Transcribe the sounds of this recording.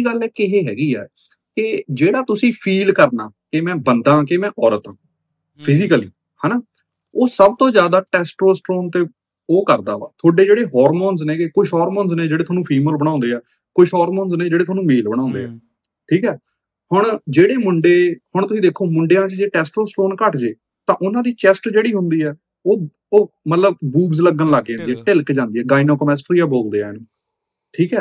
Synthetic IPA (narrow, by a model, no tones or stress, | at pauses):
iːɡəlɛːkɪɦeːɦɛːɡiːɛ̰ː | kɪd͡ʒeːɽaːt̪ʊsĩːpʰiːlkəɾna̰ːkɪmɛ̃ːbənd̪ãːkemɛ̃ːʔɔːɾət̪ãː | pʰɪzɪkəliː | haːnaː | oːsəb̚t̪õːzjaːd̪aːʈɛːsʈɾoːsʈɾoːnt̪eː | oːkəɾd̪aːʋa̰ːt̪ʰoːɖeːd͡ʒeːɽeːɦɔːɾmoːnzneːkekʊʃɦɔːɾmõːnzneːd͡ʒeːɽeːt̪ʰaːnũːpʰiːməlbəɽ̃ãːʊ̃nd̪eːɛː | koɪʃɦɔːɾmoːnznẽːd͡ʒeːɽeːt̪ʰaːnũːmeːlbəɽ̃ãːʊ̃nd̪ḛːɛ̰ː | ʈʰiːkɛː | hʊɳd͡ʒeːɽeːmʊɳɖeːhʊɳt̪ʊsĩd̪eːkʰːoːmʊɳɖejãːt͡ʃd͡ʒeːʈɛːsʈɾoːsʈɾoːnkəʈd͡ʒeː | t̪ãːʔʊnãːd̪iːt͡ʃɛsʈd͡ʒeːɽiːɦʊnd̪iːɛː | oː | oːmət̪ləbbuːbzləɡənlaːɡːeːɦnd̪iːɛːʈɪlkd͡ʒãːnd̪iːɛːɡaːinoːkəmɛːsʈɾiːaːboːld̪eːɛ̰ːnː | ʈʰiːkɛː